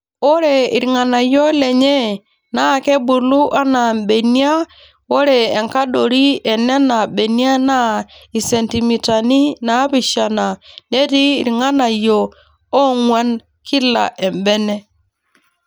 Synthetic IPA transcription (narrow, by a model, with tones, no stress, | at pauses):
o˦ɾe˨i˨ɾŋa˨na˨jo˦lɛ˨ɲɛ˦ | na˦˨ke˦bu˨lu˦ʔa˦na˨mbe˨ni˦a˦ | o˦ɾɛː˨ŋka˦ɗo˨ɾi˦ɛ˨nːɛ˦na˨ɓe˨ni˦a˦na˦i˨se˨nti˨mi˨ta˨ni˦na˨˦pi˨ʃa˨na˨ne˦tiː˦˨ɾŋa˦na˨jo˨ | o˦ŋwa˦n | kʰi˦la̰˨ʔe˨mbɛ˦nɛ˦